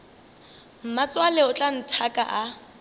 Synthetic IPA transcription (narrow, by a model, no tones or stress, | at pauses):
m̩mat͡sʼwalɛʊt͡ɬʼan̩tʰakʼa̰ʔa